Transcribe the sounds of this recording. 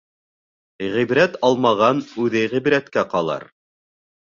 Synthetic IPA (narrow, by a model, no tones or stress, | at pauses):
ʁibɾæt̪ɑlˠmɑʁɑnʉðɘʁibɾæt̪kæqɑlˠɑ̰ɾ